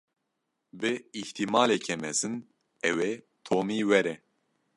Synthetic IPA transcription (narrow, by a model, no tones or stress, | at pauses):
bɨiht̪ʰimaːlekʰɛmɛzɨn | ɛwe | t̪ʰoːmiːwɛɾɛ